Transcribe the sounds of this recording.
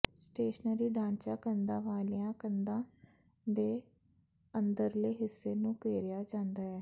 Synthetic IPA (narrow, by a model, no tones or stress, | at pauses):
sʈeːʃənəɾiːɖãːnt͡ʃaːkənd̪ãːʋaːlɪjãːkənd̪ãː | d̪eː | ənd̪əɾleːɦɪsːeːnũːkeːɾɪjaːd͡ʒãːnd̪aːɛː